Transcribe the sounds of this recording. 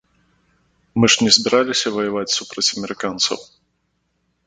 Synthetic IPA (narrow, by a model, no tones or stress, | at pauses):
mɨʐnʲɛzbʲɛɾalʲisʲɐvɐjavat͡sʲsupɾɐt͡sʲɐmʲɛɾɨkant̪sɐ̰w